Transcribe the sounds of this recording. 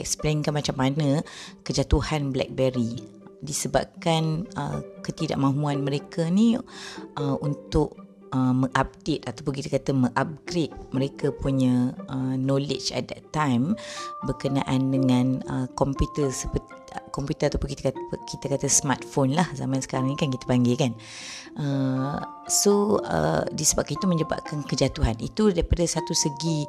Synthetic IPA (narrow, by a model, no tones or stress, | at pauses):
ɛ̰k̚splenkanmat͡ʃamːanə̃kəd͡ʒat̪uhanblɛ̰k̚bɛɾi | disəba̰p̚kanə̰kət̪ida̰ʔmãɦuanmə̃ɾekʰənĩʔəunt̪ʊʔ | əmə̃ŋʔap̚det̪at̪apʊnkit̪əkat̪əməŋʔap̚ɡɾet̪̚məɾekəpuɲə̃ʔənɔlɪ̰d͡ʒɛ̰t̪̚dɛ̰t̪ːãjmbərkənãʔandəŋãnəkɔmpjut̪ərsəpət | kɔmpjut̪əɾat̪awpʊnkit̪əkat̪kit̪əkat̪əsəmat̪̚fonlahzamãnsə̥kaɾaŋikankit̪ə̥paŋɡikan | ʔə | soə̰disəba̰p̚kait̪umə̃ɲd͡ʒəba̰p̚kankəd͡ʒat̪uɦanit̪udaɾipadasat̪usəɡi